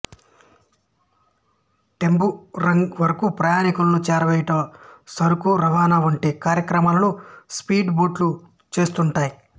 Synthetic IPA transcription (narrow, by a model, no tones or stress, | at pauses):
ʈembuɾɐŋɡʋɐɾɐkupɾɐjaːnikulɐnut͡ʃɛːɾɐʋɛjiʈɐsɐɾukuɾɐʋaːnaːʋuɳʈeːkaːɾjɐkɾɐmaːlɐnuspiːɖboːʈlu | t͡ʃe̞ːst̪uɳʈaːji